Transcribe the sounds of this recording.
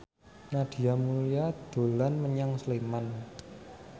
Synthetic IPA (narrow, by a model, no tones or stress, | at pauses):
nad̪̥i̤amuliad̪̥o̤lanməɲaŋsleman